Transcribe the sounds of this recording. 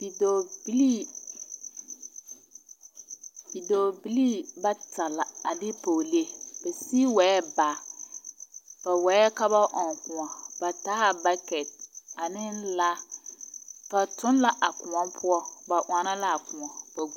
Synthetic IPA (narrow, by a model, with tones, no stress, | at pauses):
b̥i˨do˨bi˦li˦ | bi˨doː˨bi˦li˦ba˦tʰa˨la˨a˨dɪ˦poː˨le˦e˨b̥a˨si˦wɛ˨˦ɛ˦baː˨ | b̥a˨wɛ˨˦ɛ˦ka˦ba˦ʔɔ˨ŋkʊ̃˨a˨b̥a˨ta˦ha˦ba˦kɛ˨t̚a˨nɪ˦nla˦ | b̥a˨tʊ˦n˦la˦ʔa˨kʊ̃˨ɔ˦pʰʊ˦ɔ˦ba˨ʔa˨na˦la˦a˨kʊ̃˨ɔ˨ba˨ɡu˦